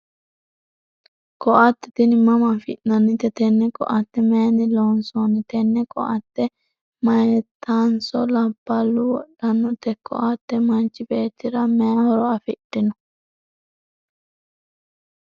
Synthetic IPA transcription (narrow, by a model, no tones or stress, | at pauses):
kɔʔɐt̪ːɛ̥t̪ɪnɪmɐmɐfɪʔnɐnːɪt̪ːɛt̪ɛnːɛkʼɔ̰ʔɐt̪ːɛmeːnɪloːnsonɪt̪ɛnːɛkʼɔ̰ʔɐt̪ːɛ | mɐjɛt̪ʰːansɔlɐbːɐlːʊwɔɗːɐnːɔt̪ɛkːɔ̰ʔat̪ːɛmɐnt͡ʃːɪbeːt̪ːɪɾɐmeːhɔɾɔɐfɪɗːɪnɔ